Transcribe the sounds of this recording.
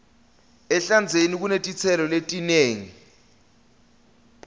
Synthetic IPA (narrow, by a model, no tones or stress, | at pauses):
ɛɬand͡zʱenik̬unetʼit͡sʰɛlɔletʼineːŋi